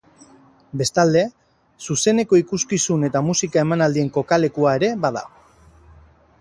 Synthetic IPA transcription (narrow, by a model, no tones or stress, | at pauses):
be̞st̪ald̪e̞ | suse̞ne̞ko̞ikuskisune̞t̪amusikae̞manald̪ie̞ŋko̞kale̞kuae̞ɾe̞βaða̰